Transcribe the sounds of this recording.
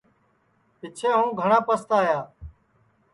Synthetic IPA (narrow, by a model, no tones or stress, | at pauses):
ɪt͡ʃʰẽːɦũːɡʱəɳãːpəst̪aːjaː